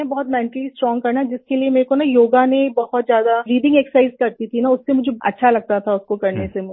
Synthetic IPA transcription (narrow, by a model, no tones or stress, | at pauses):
ẽbɔɦʊt̪mɛ̃ːɳʈəlisʈɾɔ̃ːŋɡkɐɾnad͡ʒɪskeliemeːɾekonajoːɡanebɐhɔt̪zjaːd̪aɾiːɖɪ̃ŋɡeːkssaɪzkɐɾt̪it̪ʰinaʊsːemʊd͡ʒʱeɐ̰tːʃʰalɐɡ̚t̪at̪ʰaʊskokɐɾnesemʊ